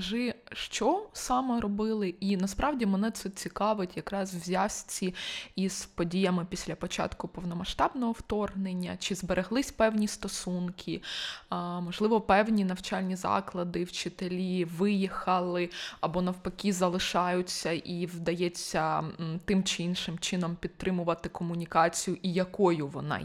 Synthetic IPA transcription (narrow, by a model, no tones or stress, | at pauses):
ɐʒɪʃt͡ʃɔsɑmɛɾɔbɪlˠɪinɐspɾɑwdʲimɛnɛt̪sɛt͡sʲikɑʋɪtʲjɐkɾɑswzʲasʲt͡sʲiiz̥pɔdʲijɐmɪpʲisʲlʲɐpɔt͡ʃɑ̰t̪kʊpɔwnɔmɐʃt̪ɑbnɔɦɔwt̪ɔrɦnenʲːɐt͡ʃɪzbeɾeɦlˠɪsʲpɛwnʲist̪ɔsunkʲʰɪ | mɔʒlˠɪʋɔpɛwnʲinɐwt͡ʃɑlʲnʲizɑ̰klˠɐd̪ɪwt͡ʃɪt̪elʲiʋɪjixɐlˠɪɐbɔnɐwpɐkʲizɐlˠɪʃɑjʊt͡sʲːɐʔiwd̪ɐjɛt͡sʲːɐt̪ɪmt͡ʃɪinʃɪmt͡ʃɪnɔmpʲid̪̚t̪ɾɪmʊʋɐt̪ɪkɔmʊnʲikɑt͡sʲijʊʔijɐkɔjʊʋɔ̰nɑ̰